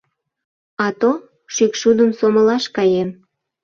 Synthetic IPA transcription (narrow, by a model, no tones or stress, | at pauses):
ɑt̪o | ʃykʃud̪əmsoməlɑʃkɑjem